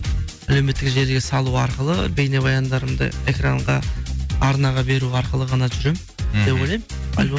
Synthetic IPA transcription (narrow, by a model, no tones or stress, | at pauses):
ælewme̞t̪ːɪkʒe̞lɡʲe̞sɑlˠuɑɾqəlˠəbe̞jne̞bɑjɑnd̪ɑɾəmd̪ə̰e̞kraɴʁɑɑɾnɑʁɑbe̞ɾuɑɾqəlˠəʁɑnɑʒʏɾe̞m | d̪e̞pwojlʲejmɑ̰lʲw